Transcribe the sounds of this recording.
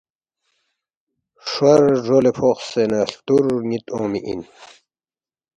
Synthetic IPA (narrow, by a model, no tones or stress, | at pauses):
ʂwɐɾʐolepʰoχsenɐɬt̪uɾŋit̪õːmḭʔḭn